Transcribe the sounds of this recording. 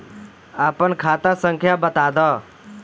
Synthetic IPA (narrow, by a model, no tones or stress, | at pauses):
aːpənkʰaːt̪ãsəŋkʰjaːbət̪aːd̪ɔː